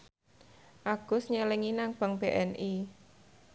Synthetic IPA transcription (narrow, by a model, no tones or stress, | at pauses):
ʔaɡ̥ʊ̤sɲəleŋinaŋb̥a̤ŋb̥eʔɛnʔi